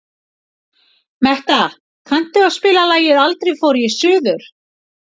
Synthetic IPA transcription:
mɛht̪a | kʰan̥t̪ʏawspɪːlalaːjɪðalt̪ɾijfoːɾjɛsʏːðʏɾ̥

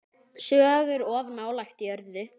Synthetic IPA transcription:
sœːɣɪɾɔvnaːwlajxt̪jœɾðɪ

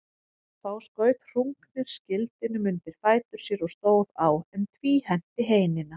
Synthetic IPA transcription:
θawskœːɥt̪r̥uŋknɪɾ̥scɪlt̪ɪnʏmʏnt̪ɪɾ̥faːjt̪ʏɾ̥sjɛɾɔɣst̪oːwðawɛmt̪ʰviːhɛn̥t̪ɪɦeːjnɪna

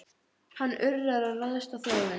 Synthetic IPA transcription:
hanːʏrðaðɾaðraðst̪aθɔːvɪ

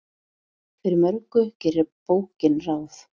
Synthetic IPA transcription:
fɪɾɪɾmœɾkʏcɛrɪpoːwhcɪnrawθ

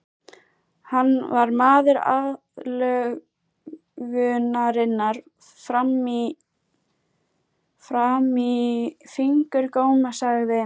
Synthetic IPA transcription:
hanːvaɾmaːðɪɾa̰ð | lœɣ | ɣʏnaɾɪnːaɾ̥ | fɾami | fɾamifiŋkʏɾkoːwmasaɣðɪ

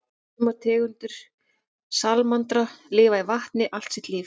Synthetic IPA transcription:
maɾt̪ʰɛːɣʏnt̪ʏɾ̥ | salmant̪ɾalɪːvaivaht̪nɪʔal̥t̪sɛht̪lɪː

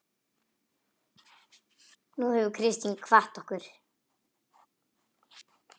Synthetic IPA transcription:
nuhɛvʏkʰɾɪst̪iŋkʰvaht̪ɔhkʏɾ̥

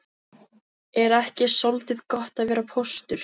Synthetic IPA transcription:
ɛɾɛhcɪsolt̪ɪðkɔht̪aðvɛːɾapʰowst̪ʏɾ̥

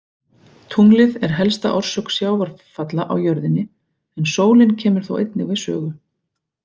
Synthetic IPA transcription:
t̪ʰuŋlɪðɛɾ̥ɦɛlst̪a̰ʔɔr̥sœksjaːwvaɾ̥fat̪laʔawjœɾðɪnːɪ | ɛnsoːwlɪncʰɛːmʏɾ̥θo̰wʔḛjt̪nɪvɪðsœ̰ːɣʏ

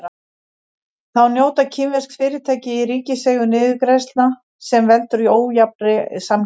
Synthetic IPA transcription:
θawnjoːwt̪acʰiːmvɛskfɪːɾɪt̪ʰɛːcɪiɾiːcɪseːɣʏnɪːðɪkɾejst̪na | sɛmvɛlt̪ʏɾioːwjapɾɪsam

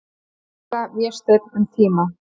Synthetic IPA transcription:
avjɛst̪eɾʏmt̪ʰiːma

